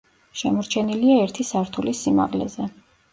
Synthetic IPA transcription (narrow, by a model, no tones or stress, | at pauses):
ʃɛmɔɾt͡ʃʰɛniliaɛɾt̪ʰisaɾt̪ʰulisima̰ʁlɛ̰zɛ